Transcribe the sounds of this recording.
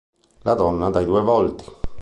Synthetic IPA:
lad̪ɔnːad̪ajd̪uɛvɔlt̪i̥

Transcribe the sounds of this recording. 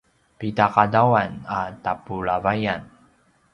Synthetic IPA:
pitaqadawanatapuɭavajan

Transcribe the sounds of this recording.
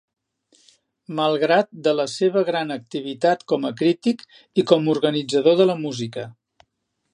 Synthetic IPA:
məlˠɣɾat̪̚d̪ələseβəɣɾanək̚t̪iβ̞it̪at̪kɔməkɾit̪ik | ikɔmuɾɣənid͡zəðoðələmuzikə

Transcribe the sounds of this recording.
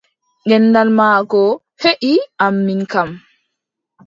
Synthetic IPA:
ʔɛnːdalmaːkɔ | heʔiʔamːinkam

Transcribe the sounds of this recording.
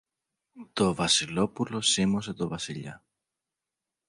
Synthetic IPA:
t̪o̞vɐsilo̞pulo̞simos̬e̞t̪o̞vɐsiʎɐ̰

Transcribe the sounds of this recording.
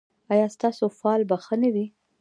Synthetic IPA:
ɑjɑst̪ɑsofɑlbaxənawi

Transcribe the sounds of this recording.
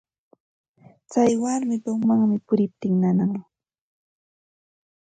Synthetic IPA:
t͡sajwaɾmɪd̪oŋmaŋmɪpʊɾɪp̚t̪ɪŋnanaŋ

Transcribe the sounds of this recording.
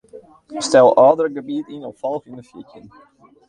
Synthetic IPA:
stɛlˠɑːdərɾəɡəbiətinɔffɔlˠxynəfjicjən

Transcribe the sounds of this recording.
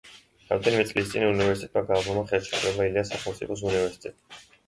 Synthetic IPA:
ɾa̰md̪ɛnimɛt̪sʼlist̪sʼinunivɛɾsit̪ʰʼɛt̪ʼmaɡavɔmaχɛɾt͡ʃʰɛkʰlɛbailiasaχɛlˠmt̪sʼḭpʰɔs̬univɛɾsi̥t̪ʼɛt̪ʼ

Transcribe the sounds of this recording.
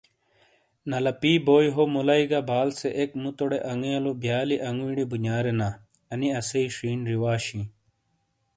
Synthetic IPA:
nɐlɐpiːboːjɦomulɐiɡabaːlseʔekmut̪oɽeʔɐŋɡeɐlobjaːliʔɐŋɡwiɽibuɲaːɾena | ɐniɐseiʂiːnɾiwaːɕĩ

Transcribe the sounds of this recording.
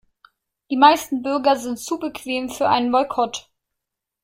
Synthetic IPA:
d̥iːmaɪstn̩bʏɐɡɐzɪntt͡suːbəkv̥eːmfyːɐʔa̰ɪnənbɔlkʰɔt

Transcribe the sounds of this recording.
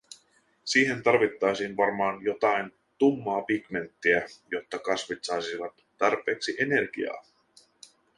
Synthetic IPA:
siːɦe̞nt̪ɑrʋit̪ːɑjsiːnʋɑrmɑːnjo̞t̪ɑjn | t̪umːɑːpikme̞nt̪ːiæjo̞t̪ːɑkɑsʋit̪sɑjsiʋɑt̪ːɑrpˑe̞ːksiʔe̞ne̞rɡḭɑ̰ː

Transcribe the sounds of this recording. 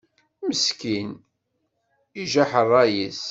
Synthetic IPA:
məskin | iʒaħərˤːɑjis

